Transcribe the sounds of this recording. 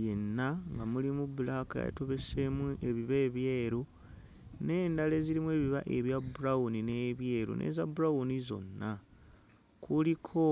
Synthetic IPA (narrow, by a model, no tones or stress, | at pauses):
je̞nːaŋɡamulimuβulaka̰ja̰to̞βe̞semue̞βiβe̞ːβjeːɾu | ne̞ːndale̞ziɾimue̞ːβiβa̰ʔe̞βjabuɾawunine̞βje̞ːɾṵnʔe̞̰zabuɾaunizo̞̰nːa | kʰulikʰo̞